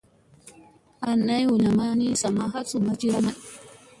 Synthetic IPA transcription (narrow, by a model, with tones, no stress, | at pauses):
a˨nːa˦jwu˨ɲa˨ma˦ni˦sa˨ma˦ɦa˦t͡su˨ma˦d͡ʒi˦ɾa˦ma˦˨